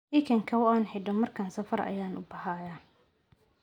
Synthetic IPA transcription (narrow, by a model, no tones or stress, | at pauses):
ʔɪkʰɐŋkʰɐwʊaːnħɛɖɔmɐrkʰaːnsɐfɐɾɐ̰jaːnʔʊ̰bɐhaːja